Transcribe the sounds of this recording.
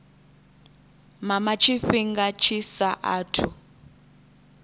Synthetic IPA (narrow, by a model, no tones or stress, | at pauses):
mamat͡ʃʰiɸiŋɡat͡ʃʰisaʔaːtʰu